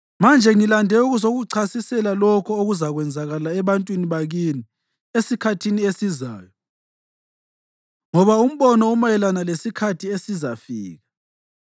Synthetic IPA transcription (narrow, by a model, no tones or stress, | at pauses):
mand͡ʒʱɛŋilandʱɛuɣuzoɣuǀʰasisɛlalɔkʰɔoɣuzaɣwɛnd͡zʱaɣalaɛβantʼwiniβaɣini | esikʰatʰiniesiza̰ːjɔ | ŋɔβaum̩βɔnɔumajɛlanalesikʰatʰiesizafḭːɣa